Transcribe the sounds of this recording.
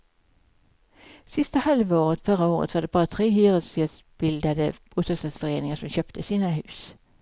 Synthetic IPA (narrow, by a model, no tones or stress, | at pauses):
sɪst̪əhalʋəoːʁət̪fœʁaoːʁə̰t̪ʰʋɑːɖɛbɑːʁət̪ʰʁeːhyːʁəsis | b̥ɪld̪ad̪əbuːt̪əst̪ɑsfɔʁeːnɪŋəsɔmɕøːpt̪ʰəsiːnaɦʉːs